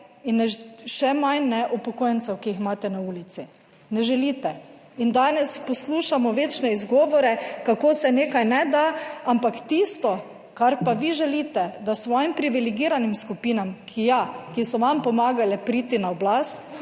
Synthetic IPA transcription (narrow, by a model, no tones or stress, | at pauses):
inɛʃɛmajnɛʔɔpɔkojɛnsɛwkiixmaːt̪ɛnauːlit̪si | nɛʒɛlit̪ɛ | ind̪anɛspɔsluːʃamɔʋeːt͡ʃnɛizɡɔʋɔɾɛkakoːsɛneːkajnɛd̪aampakt̪ist̪ɔ | kaɾpaʋiʒɛliːt̪ɛd̪asʋɔːjimpɾiʋiliɡiːɾanimskupiːnamkʰijakisɔʋampɔmaɡalɛpɾiːt̪inaɔblast̪